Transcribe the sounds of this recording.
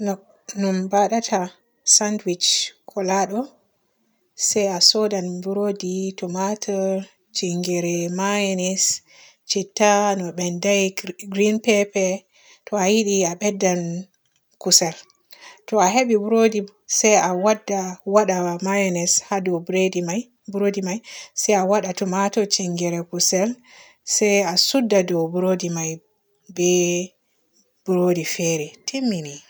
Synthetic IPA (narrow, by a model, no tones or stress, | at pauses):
nɔ | numbaɗatʰa | sandwit͡ʃkʰɔlaɗɔ | sajasɔdanbuɾoditɔmatʰɛ | t͡ʃiŋɡɛɾɛmajɛnɛs | t͡ʃitːanɔɓɛndajɡɾinpɛpɛ | tʰɔajiɗiaɓɛdːan | kusɛl | tɔaɦeɓibuɾodi | sɛjawadːawaɗamajɔnɛshadɔwbɾedimaj | buɾodimajsɛjawaɗatumatɔt͡ʃiŋɡɛɾɛkusɛl | sɛjasudːadɔwbuɾodimaj | bɛ | b̥uɾodifɛɾɛtʰimːini